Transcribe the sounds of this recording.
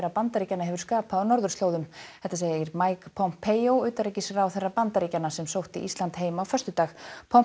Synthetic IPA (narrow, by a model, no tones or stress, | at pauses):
rːapant̪aɾiːcanaɦɛvʏɾ̥skaːpaanɔɾðʏɾst̪loːwðʏmhɛht̪aseːjjɪɾmajkpʰɔwm̥pʰːeːjowʏːt̪aɾejcɪsɾawθɛrːapant̪aɾiːcanasɛmsowht̪ḭʔist̪ant̪ɦeːjmaːwfœst̪ʏt̪aːxpʰɔwm